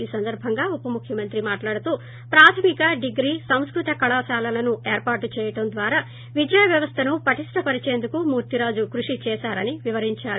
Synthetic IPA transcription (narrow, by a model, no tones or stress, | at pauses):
iːsɐnd̪ɐɾbʱɐŋɡaːupɐmukʰjɐmɐnt̪ɾimaːʈlaːɽut̪uː | pɾaːt̪ʰɐmikɐɖiɡɾiːsɐm̃skɾut̪ɐkɐɭaːʃaːlɐlɐnueːɾpaːʈut͡ʃɛːjɐʈɐnd̪ʋaːɾaː | ʋid͡ʒjɐjɐʋjɐʋɐst̪ʰɐnupɐʈiʂʈɐpɐɾit͡ʃeːnd̪ukumuːɾt̪iɾaːd͡ʒukɾuʂit͡ʃɛːʃaːɾɐniʋiʋɐɾiɲt͡ʃaːɾu